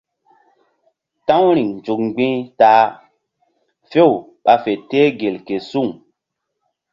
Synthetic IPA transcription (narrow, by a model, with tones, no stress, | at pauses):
tã˦wɾi˨ŋnd͡ʒu˨k̚ɡ͡bĩ˦taː˨˦ | fe˦˨w | ɓa˨fe˨teː˦ɡe˨lke˨su˦˨ŋ